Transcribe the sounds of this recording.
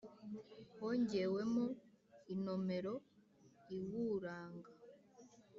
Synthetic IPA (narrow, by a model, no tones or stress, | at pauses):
woɲɟe̞we̞mo | ino̞me̞ɾo̞ | iwuːɾaːŋɡa